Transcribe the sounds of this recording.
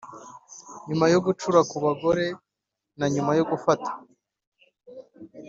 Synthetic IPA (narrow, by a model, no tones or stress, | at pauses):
ɲumajoɡut͡ʃuɾakuβaɡo̞ɾe̞ | naɲumajo̞ɡufatḁ